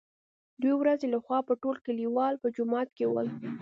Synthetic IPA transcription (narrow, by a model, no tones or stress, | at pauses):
d̪wewɾazelaxwɑpəʈolkəliwɑlpəd͡ʒʊmɑt̪̚kewə̰l